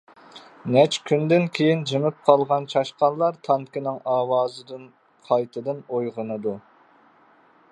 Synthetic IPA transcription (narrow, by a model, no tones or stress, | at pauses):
nɛt͡ʃkʲʰynd̪ɪnkʲʰejind͡ʒɪmɪp̚qʰɑlˠʁɑnt͡ʃʰɑʃqɑnlˠɑɾt̪ʰɑŋkʲɪnɪŋɑːwɑːzɨd̪ɨn | qʰɑjt̪ʰɨd̪ɨnojʁənɨd̪u